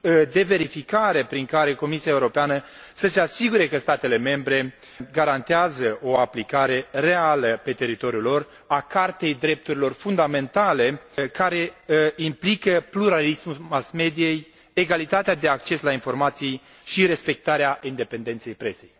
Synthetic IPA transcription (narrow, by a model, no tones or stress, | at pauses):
d̪e̞ve̞ɾifikaɾe̞pɾiŋkaɾe̞ko̞misiae̞uɾo̞peanə | səse̞asiɡuɾe̞kəst̪at̪e̞le̞me̞mbɾe̞ | ɡaɾant̪eazəʔo̞aplikaɾe̞re̞aləpe̞t̪e̞ɾit̪o̞ɾjulo̞r | akart̪e̞jd̪ɾe̞p̚t̪uɾilo̞rfund̪ame̞nt̪ale̞kaɾe̞implikəpluɾalismuasme̞d̪ije̞j | eɡalit̪at̪ead̪e̞ak̚t͡ʃe̞slainfo̞rmat̪sij | ʃiɾe̞spe̞k̚t̪aɾeaind̪e̞pend̪e̞nt̪se̞jpɾe̞se̞j